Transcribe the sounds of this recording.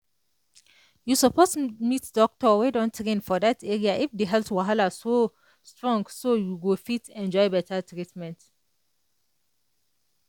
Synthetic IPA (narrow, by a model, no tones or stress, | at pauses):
jusəpʰoztmitdɔk̚tɔwedɔ̃ntʰɹẽnfɔdatʰɛɹiaʔifdiɦɛltwaɦalaso | stɹɔ̃ŋɡsojuɡofitɛ̃nd͡ʒɔɪbɛtʰatʰɹitmɛ̃nt